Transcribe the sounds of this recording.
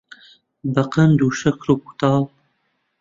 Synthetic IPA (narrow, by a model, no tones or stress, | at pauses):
bɐqɐnd̪uːʃɐkʰɾuːku̥t̪ɑːl